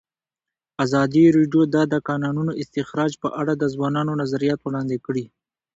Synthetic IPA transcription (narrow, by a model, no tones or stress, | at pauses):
azɑd̪iɾeɖjod̪ɑd̪əkɑnɑnunoʔɪst̪ɪxɾɑd͡ʒpəʔaɽad̪əzwɑnɑnonazaɾijɑt̪wɽɑnd̪ekɽi